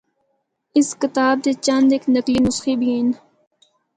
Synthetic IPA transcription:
ɪskɪt̪aːb̚d̪eːt͡ʃɐnd̪eknəkliːnʊsxiːbʱiin

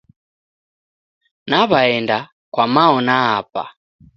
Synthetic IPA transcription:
naβaɛnda | kwamaɔnaːpa̰

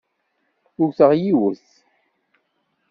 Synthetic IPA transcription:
ʊɾθəʁjiwəθ

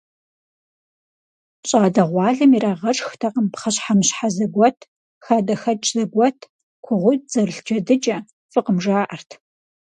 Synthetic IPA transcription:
ɕʼaːdɐʁʷɑːɮɨmiraːʁɐʈ͡ʂʼxtʰaːqəmpχɐɕħamɕħazɐɡʷɔtʰ | xaːdɐxɐt͡ʃʼzɐɡʷɔtʰ | kʷʰʊʁʷʊt̚z̥ɐrɬd͡ʒɐdɨd͡ʒʼɐ | fɨqəmʒaːʔɐrtʰ

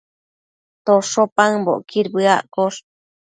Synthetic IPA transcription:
t̪oʂopaŋbo̰ʔkiɾbɨaʔkoʂ

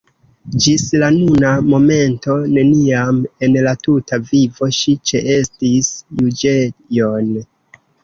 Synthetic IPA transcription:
d͡ʒislanunamo̞me̞nto̞ne̞niame̞nlatutavivo̞ʃit͡ʃeʔe̞stisjud͡ʒejo̞n

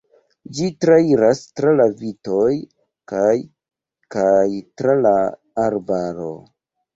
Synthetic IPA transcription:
d͡ʒitɾaiɾastɾalavitoj | kaj | kajtɾalaː | ɾbaɾo̞̰

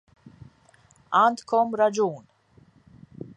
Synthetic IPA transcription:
aːnt̪kɔmɾɐd͡ʒuːn

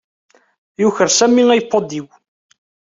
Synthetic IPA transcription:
jʊçəɾsæmːiæjəpːod̪iw

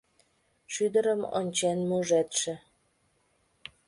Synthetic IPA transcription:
ʃyd̪ə̆ɾə̆mo̰nʲt͡ɕenmuʒet̪ʃɘ̆

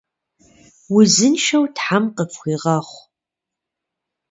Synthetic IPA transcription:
wʊzɨnʃɐwtħamqəpxʷiːʁɐχʷ

